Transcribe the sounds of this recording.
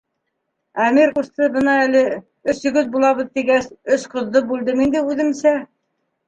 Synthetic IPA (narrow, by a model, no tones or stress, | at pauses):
æmiɾqust̪ɤbɤnɑælɘ | ɵ̆sɵ̆ɡɵðbulˠɑβɤ̆ðt̪iɡæsɵsqŏðːɤbʉld̪ɘmind̪ɘʉðɘ̆msæ